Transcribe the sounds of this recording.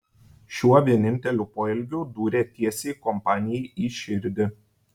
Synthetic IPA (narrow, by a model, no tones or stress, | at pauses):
ʃʲuɔʋʲiɛnʲɪnʲt̪ʲɛlʲuːpoːɪlʲɡʲʊd̪uːɾʲeːt̪ʲiɛsʲeɪkɔmpɑːnʲɪjɛɪʔiːʃʲɪɾʲd̪ʲɪ